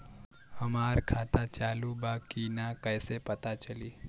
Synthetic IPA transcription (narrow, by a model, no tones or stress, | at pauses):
həmaːɾkʰaːt̪at͡ʃaːlubaːkinakəɪsepət̪at͡ʃəliː